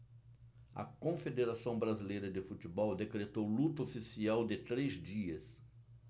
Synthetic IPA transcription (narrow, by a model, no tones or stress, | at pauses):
ɐ̰kõfed̪eɾasɐ̃w̃bɾazilejɾɐd̪ɪfut͡ʃ̪ibɔwd̪ekɾet̪owlut̪ɐofisiawd̪ɪt̪ɾezd͡ʒiɐs